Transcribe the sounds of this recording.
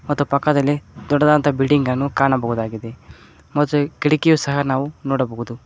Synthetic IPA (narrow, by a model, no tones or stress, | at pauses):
mɐt̪ːupɐkːɐd̪ɐlːid̪ɔɖːɐd̪aːnt̪ɐbiɖiŋɡɐnːukaːɳɐbɐɦud̪aːɡid̪e | mɐt̪ːukiɽikijusɐɦɐnaːʋunoːɽɐbɐɦud̪u